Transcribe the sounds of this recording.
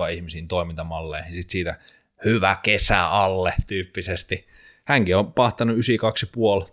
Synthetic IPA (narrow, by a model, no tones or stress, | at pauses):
ɑihmisiːnt̪oimint̪ɑmɑlːeːhinsit̪siːt̪æ | hyʋækesæ̰ɑlːet̪yːpːisest̪i | hæŋkiompɑht̪ɑnuysikɑksipuol